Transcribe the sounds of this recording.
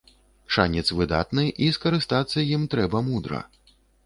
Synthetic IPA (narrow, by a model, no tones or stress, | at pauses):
ʂanʲɛt̪svɨd̪a̰t̪nɨʔiskɐɾɨst̪at̪sːɐjimt̪ɾɛbɐmud̪ɾɐ̰